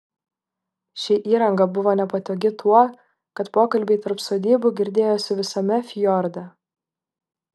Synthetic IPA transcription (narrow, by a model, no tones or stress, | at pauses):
ʃʲiːʔiːɾɐŋɡɐbʊʋoːnʲɛpɐt̪ʲoːɡʲɪt̪ʰuɔ | kɐt̪poːkɐlʲbʲeɪt̪ɐɾpsoːd̪ʲiːbʊɡʲɪɾʲd̪ʲeːjoːsʲɪʋʲɪsɐmʲɛfʲjɔɾd̪ʲɐ